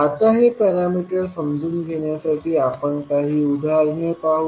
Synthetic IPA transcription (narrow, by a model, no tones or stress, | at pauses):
at̪aɦepɛɾamiʈəɾsəmd͡zʱuːnɡʱeɳjasaʈʰiːapəɳkaɦiːud̪ʱalnepaɦu